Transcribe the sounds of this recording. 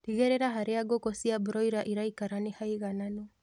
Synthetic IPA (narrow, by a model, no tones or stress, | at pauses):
ɾiɣeɾeɾaɦaɾeaɡokosiabuɾɔiɾaʔiɾaikaɾanehaiɣanano